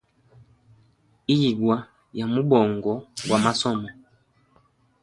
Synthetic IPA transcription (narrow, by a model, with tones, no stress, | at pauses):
i˦ji˨ɡwa˨ | ja˨mu˦bɔ˨ŋɡɔ˨ɡwa˨ma˦sɔ˦˨mɔ˨